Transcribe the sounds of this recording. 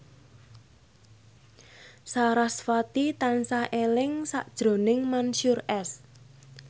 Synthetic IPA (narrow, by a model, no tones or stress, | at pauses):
saɾasfat̪it̪ansaʔelɪŋsa̰ʔd̥ʒ̥ɾo̤nɪŋmanʃurɛs